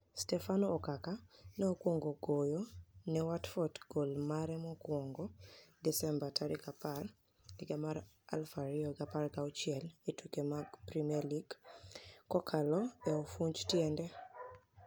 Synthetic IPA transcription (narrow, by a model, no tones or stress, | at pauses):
stɛfanoːkakanɛokwoŋɡoɡojonɛwatfɔtɡ̥olmaɾɛmɔkwɔŋɡɔdɛsɛmbatʰaɾikapar | ɛɡamaɾ | a̰lfaɾioɡaparɡaɔt͡ʃɪɛletukemaɡpɾimiɛliɡ | kːɔkʰalɔɛofuɲd͡ʒtjɛndɛ